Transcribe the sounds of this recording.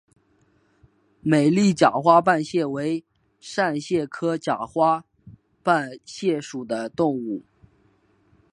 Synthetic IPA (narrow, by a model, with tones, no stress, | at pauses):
me˨˩ɪli˥˩t͡ɕja˨˩xwa˥pa˥˧nɕjɛ˥˩we˧˥ɪ | ʂa˥˧nɕjɛ˥˩kʰɤ˥t͡ɕja˨˩xwa˥ | pa˥˧nɕjɛ˥˩ʂu˨˩d̪ə˦t̪ʊ˥˧ŋu˥˩